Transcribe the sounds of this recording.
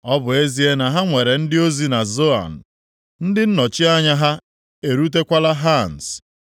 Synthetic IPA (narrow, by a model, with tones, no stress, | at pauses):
ɔ˦bʊ˨e˦zi˦e˦na˨ɦa˦ŋʷe˨ɾe˨n̩˦dɪ˦o˦zi˦na˨zo˦a̰˨n̩˨ | n̩˦dɪ˦n̩˦nɔ˨t͡ʃɪ˦a˦ɲa˦ɦa˦ | e˨ɾu˦t̬e˦kʷa˦la˦ɦa˦˨n̩˨s